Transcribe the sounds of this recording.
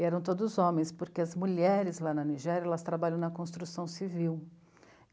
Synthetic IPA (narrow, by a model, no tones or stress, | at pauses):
ɛɾɐ̃w̃t̪od̪ʊzõmẽj̃spoɾkeɐzmuʎɛɾɪzlanɐniʒɛɾjɐɛlɐst̪ɾabaʎɐ̃w̃nɐkõst̪ɾusɐ̃w̃siviw